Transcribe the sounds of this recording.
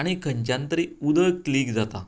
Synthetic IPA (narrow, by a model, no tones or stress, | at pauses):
aɽ̃ikʰəɲt͡ɕjant̪əɾiːud̪ʱəjkliːkd͡zat̪a